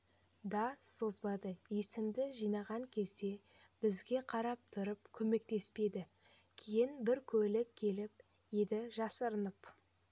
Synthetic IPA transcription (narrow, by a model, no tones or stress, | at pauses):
d̪ɑso̞zbɑd̪əje̞sɪmd̪ɪʒijnɑʁɑŋkʲʰe̞lse̞ | b̥ɪzɡʲe̞qʰɑɾɑp̚t̪ʰʊɾəp̚kʲʰɵme̞k̚t̪e̞spe̞d̪ɪ | kʲʰejɪnbɪɾkʲʰɵlɪkʲʰːe̞lɪp̚ | je̞d̪ɪʒɑsəɾənəp